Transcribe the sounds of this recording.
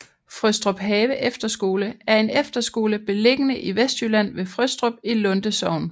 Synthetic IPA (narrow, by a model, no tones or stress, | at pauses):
fʁœsd̥ʁɔb̥ɦɛːʋəʔefd̥ɐsɡ̥o̝ːləæɐe̝nefd̥ɐsɡ̥o̝ːləb̥e̝le̝ɡ̥ənəʔiʋesd̥ylæn̰ʋe̝fʁøsd̥ʁɔ̽b̥̚ilɔ̽nd̥əsɒʊn